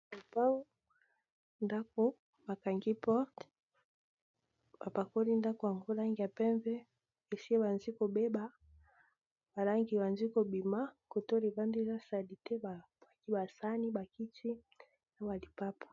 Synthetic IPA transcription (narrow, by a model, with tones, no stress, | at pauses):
u˨pa˦ŋu˦ | nda˦ku˦ | ba˨ka˨ŋɡi˦pɔ˦ʁt | ba˨pa˨ko˦li˦nda˦ku˨a˨ŋɡo˦la˦ŋɡi˨a˨pɛ˦ɱvɛ˦ | e˨si˦ɛ˦ba˨nzi˦ko˨bɛ˦ba˦ | ba˨la˦ŋɡi˨ba˨nzi˦ko˨bi˨ma˦ko˨to˦li˨va˦ndi˦za˦sa˨li˨tɛ˦ba˨ | a˨ki˦ba˨sa˦ni˦ba˨ki˦ti˦ | na˨˦wa˨li˨pa˦pḁ˨